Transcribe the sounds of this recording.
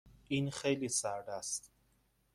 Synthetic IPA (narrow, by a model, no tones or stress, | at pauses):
ʔiːnxejliːsæɾd̪æst̪